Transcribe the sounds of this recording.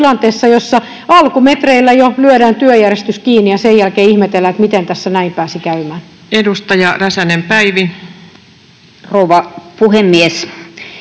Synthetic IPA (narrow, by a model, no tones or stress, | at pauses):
lɑnt̪eːsːɑjosːɑ | ɑlkumet̪reilːæjolyødæːnt̪yøjærest̪yskiːnijɑsejælkeːihmet̪elːæt̪mit̪ent̪æsːænæimpæːsikæymæːn | edust̪ɑjɑræsænempæiʋi | rouʋɑpuhemːies